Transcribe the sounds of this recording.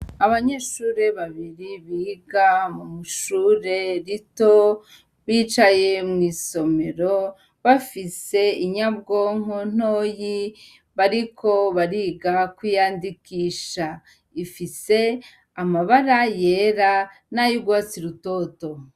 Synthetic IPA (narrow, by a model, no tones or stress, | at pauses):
aβaɲe̞ːʃuːɾeβaβiɾiβiːɡamumuʃuːɾe̞ɾito | βiːt͡ʃaje̞mŋiːso̞me̞ɾo | βafise̞iɲabɡoːŋon̥oːji | βaɾikʰo̞βaɾiːɡakwijaːndikiʃa | ifise̞ | amaβaɾajeɾa | najubɡwaːsiɾuto̞to